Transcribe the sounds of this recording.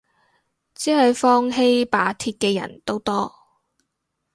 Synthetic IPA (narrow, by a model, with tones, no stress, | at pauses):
t͡siː˨˥hɐ˨˧jfɔː˥ŋɦe˥jpaː˨˥t̪ʰiː˧t̚kɛː˧jɐ̰˨˩nt̪o˥wt̪ɔː˥